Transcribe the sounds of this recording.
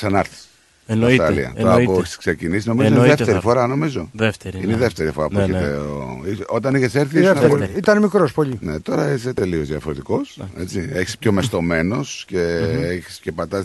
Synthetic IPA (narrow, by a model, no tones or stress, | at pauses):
ksɐnɐɾθi̥s | nɐst̪ɾɐlḭɐ̰tt̪oɐpoçi̥sksecinisino̞mizoiðeft̪eɾifo̞ɾɐno̞mizo̞ðeft̪eɾineðeft̪e̞ɾifo̞ɾɐpueçit̪eo̰iso̞t̪ɐniçeseɾθiesnɐit̪ɐnmikɾospoʎinet̪o̞ɾɐiset̪e̞lio̞zðiɐfo̞ɾet̪iko̞sḛt͡sieçi̥spço̞mest̪o̞me̞no̞sce̞eçi̥scepɐt̪ɐs